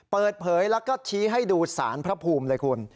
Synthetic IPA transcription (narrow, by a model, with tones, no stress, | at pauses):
pɤː˨˩t̪̚pʰɤː˩˦jlɛ˦˥wkɔː˥˩t͡ɕʰiː˦˥ɦa˥˩jduː˧sa̰ː˩˦npʰɾa˦˥pʰuː˧mlɤː˧jkʰu˧n